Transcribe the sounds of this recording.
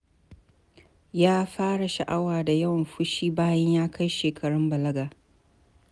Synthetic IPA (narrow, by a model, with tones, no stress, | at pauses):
jaː˦ɸaː˦ɽa˨ʃɐ̰˨ʔa˦waː˨da˨jɐ˦wmɸʊ˦ʃiː˦baː˦jɐ˦ɲjaː˦kʰa˦jʃeː˨kʰɐ˨ɽɪ˦mbɐ˨lɐ˦ɡaː˨